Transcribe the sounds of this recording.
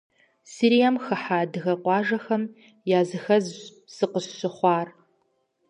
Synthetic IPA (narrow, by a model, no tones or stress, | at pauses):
siːɾijamxɨħaːdɨɣɐqʷɑːʒɐxɐm | jaːzɨxɐz | z̥ɨqəɕːɨχʷɑːr